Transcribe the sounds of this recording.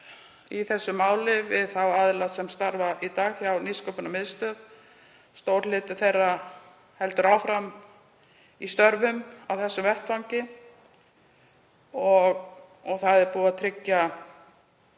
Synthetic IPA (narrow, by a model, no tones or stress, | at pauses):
iθɛsːʏmːaːwlɪvɪðθawaðlasɛmst̪aɾvaʔit̪aːɣçawniskœpʏnamɪðst̪œð | st̪oːwɾlɪːt̪ʏθejrːa | hɛlt̪ʏɾawfɾam | ist̪œɾvʏmawθɛsːʏmvɛht̪vawɲcɪ | ɔɣ | ɔɣθaðɛɾpuːat̪ʰɾɪcːa